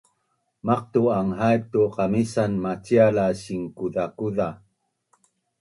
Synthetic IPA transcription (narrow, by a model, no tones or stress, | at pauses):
maq̚tuaŋɦajtuqamisanmat͡ɕialaɕiŋkuðakuða